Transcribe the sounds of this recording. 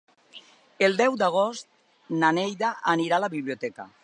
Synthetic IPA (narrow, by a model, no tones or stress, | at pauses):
elˠd̪ɛwd̪aɣ̞ost̪̚ | nanejðaʔːniɾalaβiβliot̪ɛka̰